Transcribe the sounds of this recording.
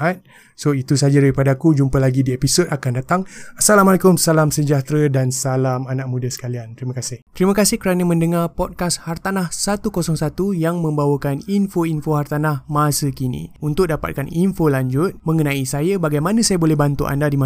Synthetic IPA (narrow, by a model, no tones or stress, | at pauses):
at̪̚ | soit̪usad͡ʒadaɾipadakud͡ʒumpəlaɡidiepisodakandat̪aŋasalamalaekʊmsalamsəɲd͡ʒaht̪ɾədansalamanaʔ̚mũdasə̥kaliant̪ɾiməkasɪht̪ɾimə̃kasɪhkəɾanə̃mə̃ndəŋarpɔt̪̚kashart̪anahsat̪ukosɔŋsat̪ujaŋmə̃mbawəkaninfoinfoɦart̪anahmasəkinḭunt̪ʊk̚dapa̰t̪̚kaninfolaɲd͡ʒʊt̪̚mə̃ŋənãisajabaɡajmanãsajabolɛhbant̪ṵʔa̰ndadima